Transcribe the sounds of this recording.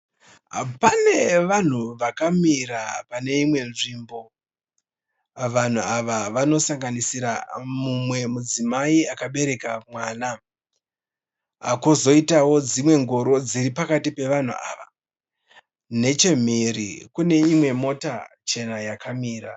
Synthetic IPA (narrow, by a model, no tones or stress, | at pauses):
pane̞ʋan̤uʋakamiɾapane̞imwe̞nʐimbo̞ | ʋan̤uaʋaʋano̞saŋɡanisiɾa̰mumwe̞mud͡zimaiakaɓe̞ɾe̞kamwaːna | a̰kozo̞itawo̞d͡zimwe̞ŋɡoɾo̞d͡ziɾipakatipe̞ʋan̤ṵa̰ːʋa̰ | ne̞t͡ʃe̞m̤eɾḭkune̞imwe̞mo̞tat͡ʃe̞najakʰamiːɾa